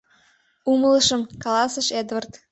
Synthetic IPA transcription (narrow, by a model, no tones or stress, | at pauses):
uməlˠɤ̆ʃə̆mkɑlɑsə̆ʃed̪vərt̪